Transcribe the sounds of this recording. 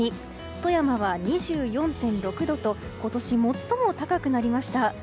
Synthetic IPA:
i | t̪o̞jamaβaɲ̟iʑɨːjõ̞nt̪ẽ̞nɾo̞kɯ̟d̪o̞t̪o̞ko̞t̪o̞ɕimo̞t̪ːo̞mo̞t̪akakɯ̟naɾʲimaɕi̥t̪a

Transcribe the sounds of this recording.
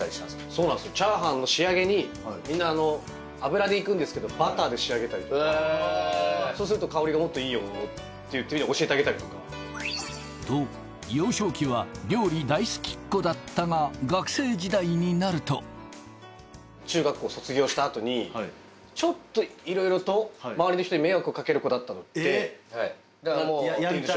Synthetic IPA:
aɾʲiɕimas | so̞ːnand̪sɨjot͡ɕaːɦãnːo̞ɕiaɡe̞ɲ̟i | mʲĩnːaːno̞ | abɯ̟ɾad̪eikɯ̟̃nd̪esɨ̥ke̞d̪o̞bat̪aːd̪e̞ɕiaɡe̞t̪aɾʲit̪o | soːs̬ɨɾɯ̟t̪okao̞ɾʲiɡamo̞t̪ːo̞iːjoot̪ːejɯ̟t̪ːeiɲʲioɕiet̪eaɡe̞t̪aɾʲit̪o̞kḁ | d̪̥oː | jo̞ːɕo̞ːkʲiβaɾʲo̞ːɾʲid̪aisɨ̥kʲi̥kːo̞d̪at̪ːaŋaɡakɯ̟̥se̞ːd͡ʑid̪aiɲ̟inaɾɯ̟t̪o̞̰ | t͡ɕɨːɡakːo̞ːso̞t͡sɨɡʲo̞ːɕi̥t̪aːt̪o̞ɲ̟i | t͡ɕo̞t̪ːo̞iɾo̞iɾo̞t̪o̞maβaɾʲino̞çit̪oɲime̞ːβakɯokake̞ɾɯ̟ko̞d̪at̪ːano̥e | d̪aaod̪

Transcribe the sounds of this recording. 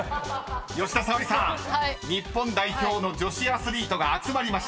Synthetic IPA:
jo̞ɕi̥t̪asaoɾʲisãɲ̟ipːõnd̪aiço̞ːno̞d͡ʑo̞ɕiasɨɾʲiːt̪o̞ɡaːt͡sɨmaɾʲimaɕi̥t̪

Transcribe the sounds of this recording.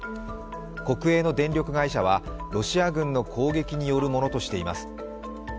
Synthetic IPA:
ko̞kɯ̟e̞ːno̞d̪ẽ̞nɾʲo̞kɯ̟ɡaiɕaβaɾo̞ɕiaɡɯ̟̃nːo̞kʰo̞ːɡe̞kʲiɲ̟ijo̞ɾɯ̟mo̞no̞t̪o̞ɕi̥t̪e̞ima̰sɨ̥

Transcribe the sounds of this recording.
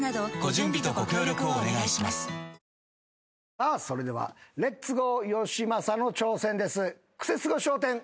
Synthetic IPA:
nad̪oɡ̥o̞ʑɨ̃mbʲit̪o̞ɡo̞kʲo̞ːɾʲjo̞kɯ̟oːne̞ɡaiɕimasɨ̥ | aso̞ɾe̞d̪e̞βa̰ɾe̞t͡sɨɡo̞jo̞ɕimasano̞t͡ɕo̞ːsẽ̞nd̪e̞sɨ | kɯ̟̥se̞t͡sɨɡo̞ɕo̞ːt̪ẽ̞ŋ

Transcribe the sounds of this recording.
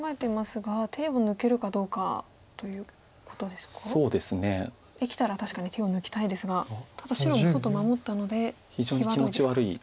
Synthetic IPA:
kãŋɡae̞t̪emasɨɡat̪ʰe̞ːo̞nɯ̟ke̞ɾɯ̟kad̪o̞ːka̰ | t̪o̞jɯ̟ː | ko̞̥t̪o̞d̪e̞sɨ̥kaso̞ːd̪e̞sɨne̞ | ekʲi̥t̪aɾat̪aɕi̥kaɲ̟it̪ʰe̞ːo̞nɯ̟kʲi̥t̪aid̪e̞sɨɡat̪ʰad̪aɕiɾo̞moso̞t̪ːomamo̞t̪ːano̞d̪e̞ | çid͡ʑoːɲʲiaimot͡ɕiβaɾɯ̟i

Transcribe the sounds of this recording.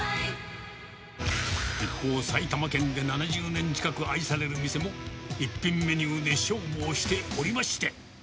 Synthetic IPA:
ipːo̞ːsait̪amakẽ̞nd̪e̞nanaʑɨːnẽ̞ɲ̟t͡ɕi̥kakɯaisaɾe̞ɾɯ̟mʲise̞mo̞ipːĩmːe̞ɲʲɨːd̪e̞ɕo̞ːboːɕi̥t̪e̞oɾʲimaɕi̥t̪e̞

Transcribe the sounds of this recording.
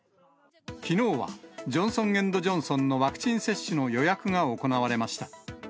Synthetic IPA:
kʲino̞ːβa̰d͡ʑõ̞ɰ̃sõ̞ŋɡẽ̞nd̪o̞ʑõɰ̃sõ̞nːo̞βakɯ̟̥t͡ɕĩɰ̃se̞ɕːɨno̞jo̞jakɯ̟ŋaoko̞naβaɾe̞maɕi̥t̪ḁ

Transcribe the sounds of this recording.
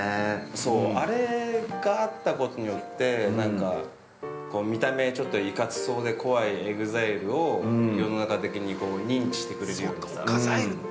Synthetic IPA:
eso̞ːaɾe̞ɡaːt̪ːako̞t̪o̞ɲ̟ijo̞t̪ːe̞nãŋkka | ko̞ːmʲit̪ame̞t͡ɕo̞t̪ːo̞ikat͡sɨ̥so̞ːd̪e̞ko̞βaieɡɯ̟zaiɾɯ̟o̞jo̞no̞nakat̪e̞kʲiɲ̟iko̞ːɲ̟ĩɲt͡ɕi̥ɕi̥t̪e̞kɯ̟ɾe̞ɾɯjo̞ːɲia̰a

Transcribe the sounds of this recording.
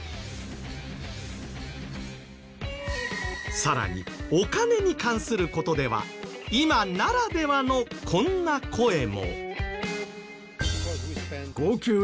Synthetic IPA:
saɾa̰ɲ̟ḭo̞kane̞ɲ̟ikãɰ̃sɨɾɯ̟ko̞t̪o̞d̪e̞βa̰imanaɾad̪e̞βano̞kʰõ̞nːakʰo̞e̞mo̞̰ | ɡ̥oːkʲɨː

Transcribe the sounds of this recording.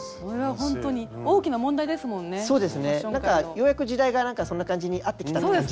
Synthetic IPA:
koɾeβaɦõ̞nt̪o̞ɲ̟io̞ːkʲinamõ̞nd̪aid̪e̞sɨmõ̞nːeso̞ːd̪esɨne̞ãŋkajo̞ːjakɯ̟ʑid̪aiɡanãŋkaso̞nːakãɲ̟d͡ʑiɲ̟iʔat̪ːe̞kʲi̥t̪atoːe

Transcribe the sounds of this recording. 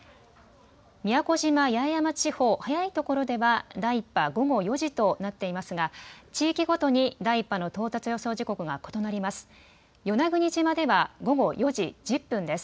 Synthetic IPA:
mʲijako̞ʑimajajamat͡ɕiho̞ːhajait̪o̞ko̞ɾo̞d̪e̞βad̪aipːaɡo̞ɡo̞jo̞ʑit̪o̞nat̪ːe̞imasɨɡat͡ɕiːkʲiɡo̞t̪o̞ɲ̟id̪aipːano̞t̪o̞ːt̪at͡sɨjo̞so̞ːʑiko̞kɯ̟ɡa̰ko̞t̪o̞naɾʲimasɨ̥ | jo̞naɡɯ̟ɲ̟it͡ɕimad̪e̞βaɡo̞ɡo̞jo̞ʑid͡ʑɨpːɯ̟̃nd̪e̞sɨ̥

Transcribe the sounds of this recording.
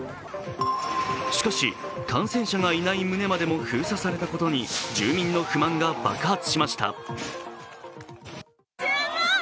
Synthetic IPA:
ɕi̥kaɕikʰãɰ̃sẽ̞ɰ̃ɕaɡainaimɯ̟ne̞mad̪e̞mo̞çɯ̟ːsasaɾe̞t̪ako̞t̪o̞ɲ̟id͡ʑɨːmʲĩnːo̞ɸɯ̟mãŋɡaba̰kɯ̟hat͡sɨ̥ɕimaɕi̥t̪a̰

